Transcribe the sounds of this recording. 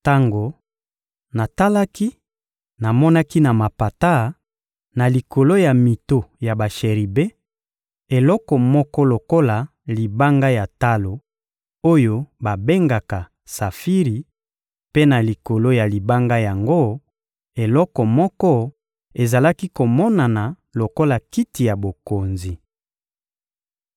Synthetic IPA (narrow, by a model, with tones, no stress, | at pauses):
ta˦ŋɡo˨ | na˨ta˦la˦ki˦ | na˨mɔ˦na˦ki˦na˨ma˨pa˨ta˦ | na˨li˨ko˨lo˦ja˨mi˨to˨ja˨ba˨ʃe˨ʁi˨be˦ | e˨lɔ˦kɔ˨mɔ˦kɔ˦lo˨ko˦la˨ | li˨ba˦ŋɡa˦ja˨ta˦lo˨ | o˦jo˦ba˨be˦ŋɡa˨ka˨ | sa˨fi˦ʁi˨ | pe˦na˨li˨ko˨lo˦ja˨li˨ba˦ŋɡa˦ja˨ŋɡo˦ | e˨lɔ˦kɔ˨mɔ˦kɔ˦ | e˨za˨la˦ki˦ko˨mɔ˦na˨na˨ | lo˨ko˦la˨ki˦ti˨ja˨bo˨ko˨nzi˨